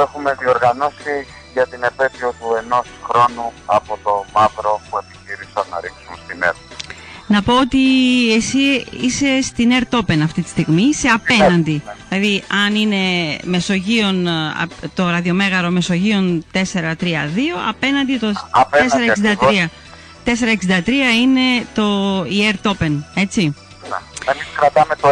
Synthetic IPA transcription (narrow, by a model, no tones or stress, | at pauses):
exume̞ðio̞ɾɣɐnosi | ʝɐt̪ine̞pe̞p̪iot̪ue̞no̞sxɾo̞nuɐpo̞t̪o̞mɐvɾo̞pue̞pi̥çiɾisɐnːɐ̰ɾiksunst̪inḛɾ | nɐpo̞ot̪iesiise̞st̪ine̞ɾt̪o̞pe̞nɐft̪it̪i̥st̪iɣmiseɐpe̞nɐnd̪iilɐðiɐnine̞me̞so̞ʝio̞nɐ̰t̪o̞ɾɐðio̞me̞ɣɐɾo̞me̞so̞ʝio̞nt̪e̞se̞ɾɐt̪ɾiɐðio̞ɐ̰pe̞nɐnd̪it̪oeseɾɐksidɐt̪ɾɾiɐ | t̪e̞se̞ɾɐeksind̪ɐt̪ɾiɐine̞t̪o̞ieɾt̪o̞pe̞ne̞t͡si | nemiskɾɐt̪ɐmet̪o